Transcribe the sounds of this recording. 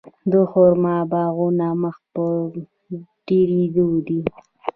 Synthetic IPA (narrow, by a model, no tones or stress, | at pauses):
d̪əxoɾmabɑɣunaməxpə | ɖiɾid̪ud̪i